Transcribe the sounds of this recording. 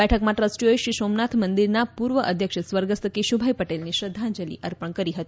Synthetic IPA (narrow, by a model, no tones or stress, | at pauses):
bɛʈʰəkmaʈɾəsʈiojɕiːsomnat̪ʰmənd̪iɾnapuːɾʋəʔəd̪ʱjəkʂəsʋəɾɡəst̪əkeɕubʱajpəʈelniɕɾəd̪ʱːand͡ʑəlḭːʔəɾpəɳkəɾiːɦət̪i̥